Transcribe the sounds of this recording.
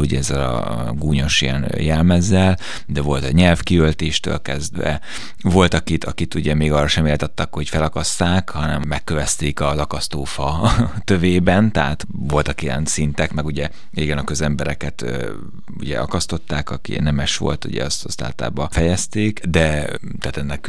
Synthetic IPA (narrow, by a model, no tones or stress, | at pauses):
uɟɛɛzːɛlɒ̰ | ɡuːɲo̞ʃijɛnjɛlmɛzːɛl | d̪ɛvo̞lt̪ɛɲɛlfkiølt̪eːʃt̪ø̰ːlkɛ̰zd̪vɛ̰ | vo̞lt̪ɒkit̪ʰɒkit̪uɟɛmeːɡɒːrɒʃɛmeːlt̪ɛt̪ːɛkho̞cfɛlɒkɒst̪aːkhɒnɛ̰mmːɛkːøvɛst̪eːkɒzɒkɒst̪oːfɒt̪øveːbɛnt̪ɛɦa̰t̪ | vo̞lt̪ɒkijɛ̰nsint̪ɛkmɛɡuɟɛ | eːɡɛnɒkø̞zɛmbɛɾɛkɛt̪ː | ṵɟɛ̰ɒkɒst̪o̞t̪ːaːkɒkḭnɛmɛʃʋo̞̰lt̪ṵɟɛ̰ɒst̪ɒst̪a̰ːt̪la̰ːbɒfɛjɛst̪eːkd̪ɛ | t̪aːt̪ɛnːɛk